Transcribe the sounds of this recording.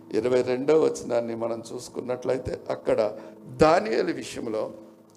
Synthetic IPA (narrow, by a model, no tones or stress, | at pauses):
ḭɾɐʋɐjɾe̞ɳɖoːʋɐt͡ʃːinaːnːimɐnɐmt͡ʃuːsu̥kunːɐʈlɐjt̪e̞̰ːʔɐkːɐɽɐd̪aːnijelɐʋiʂɐjɐmlo̞ː